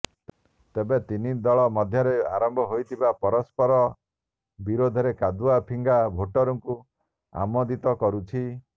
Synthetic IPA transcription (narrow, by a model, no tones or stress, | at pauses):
t̪ebet̪inid̪ɔɭɔmɔd̪ʱjɔɾea̰ɾɔmbʱɔɦojt̪ʰibapɔɾɔspɔɾɔ | biɾod̪ʱɔɾekad̪uapʰiŋɡabʱoʈɔɾɔŋku | a̰mɔd̪it̪ɔkɔɾut͡ʃʰi